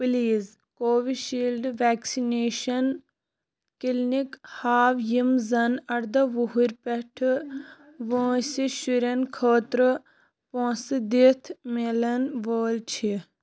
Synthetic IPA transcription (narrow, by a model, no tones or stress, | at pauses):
pliːz | koːʋiʃiːlɖʋaːksineːʃɐn | kilnikhaːʋjimzɐnɐɽd̪ɐʋuɦuɾʲpeʈʰɨ | ʋõːsiʃuɾɐnkʰoːt̪ɾɨ | põːsɨd̪it̪ʰmelɐnʋoːlt͡ʃʰi